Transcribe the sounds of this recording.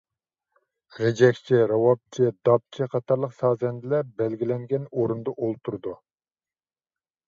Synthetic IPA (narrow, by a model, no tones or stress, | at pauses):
ɾed͡ʒɛkʲt͡ʃʰiɾɑwɑp̚t͡ʃʰid̪ɑp̚t͡ʃʰiqʰɑt̪ʰɑɾlˠəqsɑːzɛnd̪ɪlɛbɛlɡʲilɛŋɡʲɛnoɾund̪ɑʔolˠt̪ʰuɾd̪u